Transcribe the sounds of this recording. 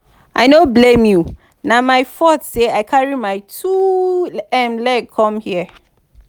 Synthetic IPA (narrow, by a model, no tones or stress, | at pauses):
ʔaɪnoblẽmju | namaɪfɔtseaɪkʰaɹimaɪtʰu | ɛ̃mlɛkʰɔ̃mhiə